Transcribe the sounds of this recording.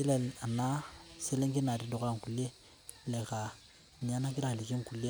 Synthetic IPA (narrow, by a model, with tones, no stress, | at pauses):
i˦le˨a˨na˦se˦lẽ˦ŋke˦na˨de˨do˨kã˦˨ŋku˨le˦ | le˨ka˨ | ɲi˨a˦na˦ki˦ɾa˦ha˨li˨ki˦ŋku˨le˦